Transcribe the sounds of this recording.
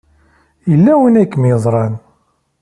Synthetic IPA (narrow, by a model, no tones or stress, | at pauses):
jəlːæwinækːmjəðˤɾˤɑn